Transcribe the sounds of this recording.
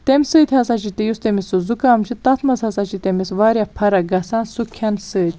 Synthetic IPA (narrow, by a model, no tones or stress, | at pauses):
t̪emʲsɨːt̪ʲhɐsat͡ʃit̪ejust̪emisuzukaːmt͡ʃʰit̪ɐt̪ʰmɐzhɐsat͡ʃit̪emisʋaːɾjɐpʰɐɾɐɡɐsaːnsukʰɐnsɨːt̪ʲ